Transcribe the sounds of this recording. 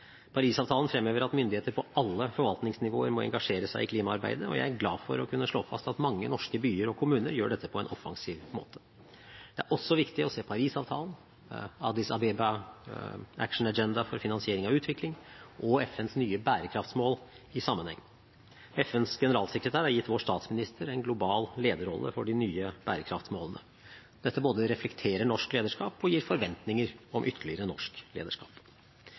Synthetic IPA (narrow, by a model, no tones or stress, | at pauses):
pʰɑɾiːsɑːʋt̪ʰɑːlnfɾɛmːøːʋəɾɑt̪mʏnd̪ɪheːt̪əɾpʰɔɑlːəfɔɾʋɑlt̪nɪŋsnɪʋo̰ːəɾmɔɛ̰ŋɡɑʂeːɾəsæɪɪkʰliːmɑɑɾbæ̰ɪd̪əɔ̰jæ̰ɪæɾɡlɑ̰ːfɔ̰ɾɔkʰʉnːəʂɭo̰ːfɑ̰st̪ɑt̪mɑŋːənɔʂkəbyːəɾɔkʰʊmʉːnəɾjøːɖɛt̪ːəpʰɔɛnʔɔfɑ̰ŋsiːʋmo̰ːt̪ʰə̥ | d̪̥ɛæɾʔɔsːɔʋɪkt̪ɪɔseːpʰɑɾiːsɑːʋt̪ʰɑ̰ːlən̩ | ɑd̪ɪsɑbɛbɑ | æ̰kʂɳ̩ɑd͡ʒɛnd̪ɑfɔɾfɪnɑnsɪeːɾɪŋɑʉːt̪ʰʋɪklɪŋʔɔɛfɛnsnyːəbæːɾəkʰɾɑft̪smoːl | ɪsɑmːənhɛ̰ŋː | ɛfɛnsɡɛnəɾɑːlsɛkɾət̪ʰæːɾhæɾjɪt̪ːʋoːʂt̪ɑːt̪smɪnɪst̪ʰəɾɛnɡlʊbɑːlleːd̪əɾɔlːə̰fɔɖɪnyːəb̥æ̰ːɾəkʰɾɑft̪smoːlənə̰ | d̪̥ɛt̪ːəboːd̪əɾɛflɛkt̪ʰeːɾəɳɔʂkleːd̪əʂkɑːpɔjiːɾfɔɾʋɛnt̪nɪŋəɾɔmʔʏt̪ʰːəɭɪəɾənɔʂklḛːd̪əʂkɑ̰ːp